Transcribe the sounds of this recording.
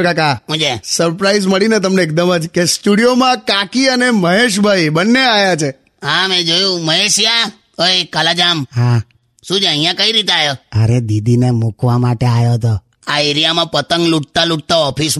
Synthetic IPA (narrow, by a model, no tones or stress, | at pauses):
kakaɦũd͡ʒesəɾpɾaizməɭinet̪əmneːk̚d̪əmad͡ʒkesʈuɽijomãkakiəneməɦeʃ̬bʱajbənːeajat͡ʃʰe | amẽd͡ʒojũməɦeʃja | əjkalad͡ʒamɦã | ʃũd͡ʒeəɦĩjãkəiɾit̪eajoəɾed̪id̪inemukʋamaʈeajot̪o | aeɾijamãpət̪əŋɡluʈ̚t̪aluʈ̚t̪aɔpʰis